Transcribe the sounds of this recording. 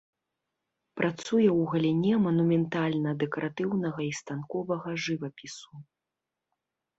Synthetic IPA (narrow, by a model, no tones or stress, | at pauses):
pɾʔat̪sujɛwɣɐlʲinʲɛmɐnumʲɛnt̪alʲnɐd̪ɛkɐɾʔat̪ɨwnɐɣɐist̪ankɔvɐɣɐʐɨvɐpʲisu